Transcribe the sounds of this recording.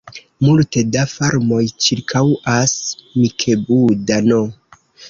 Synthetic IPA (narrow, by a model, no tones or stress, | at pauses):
multedafaɾmo̞jt͡ʃiɾkʰawasmikʰebudano